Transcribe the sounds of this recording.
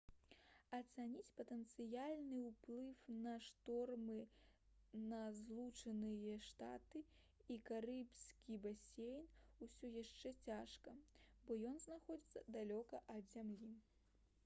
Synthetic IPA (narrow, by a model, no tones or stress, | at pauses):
ɐt̪sanʲit͡sʲpɐt̪ɛnt̪sɨjalʲnɨwplˠɨwnɐʂt̪ɔrmɨ | nɐzlˠut͡ʂɐnɨjɐʂt̪a̰t̪ɨ | ikaɾɨpsʲkʲibasʲejnusʲɔjaʂt͡ʂɛt͡sʲaʂkɐbɔjɔnznaxɔd͡zʲit̪sːɐd̪alʲɔkɐʔɐd̪zʲamlʲi